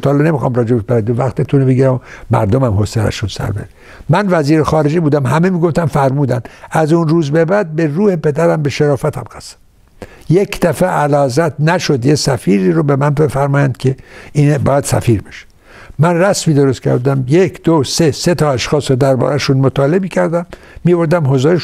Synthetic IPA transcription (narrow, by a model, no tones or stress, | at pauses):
t̪ʰɒːlene̞mixɒ̰ːmɾɒːd͡ʒebebæɾænd̪ovæxt̪et̪ʰunebeɡiːɾæmomæ̰ɾd̪omæmhoselæ̰ʃunsæ̰ɾbeɾe | mænvæziːɾexɒːɾe̞d͡ʒebuːd̪æmhæmemiːɡoft̪æmfæɾmuːd̪ænd̪æzunruːzbe̞bæd̪̚be̞ruːhepe̞d̪æɾæmbeʃeɾɒːfæt̪ʰæmɡæsæ̥ | jekd̪æfeʔælɒːzæt̪ʰnæʃo̞d̪jesæfiːɾiːɾobemænbe̞fæɾmɒːjænd̪̥kʰeinbɒ̰ːjæd̪̥sæ̰fiːɾbe̥ʃe̥ | mænræsmiːd̪oɾost̪kʰʲæ̰ɾd̪æmjekʰd̪̥oseset̪ʰɒːæʃxɒːsod̪æɾbɒ̰ːɾæʃunmot̪ʰɒːlemiːcʰæɾd̪æmː | iboɾd̪æmɦozoɾeʃ